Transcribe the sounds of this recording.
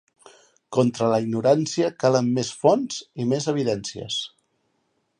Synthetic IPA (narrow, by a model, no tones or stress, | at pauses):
kɔnt̪ɾələiɡnuɾansiəkaləmːesfɔnzimezəβ̞iðɛnsiə̰s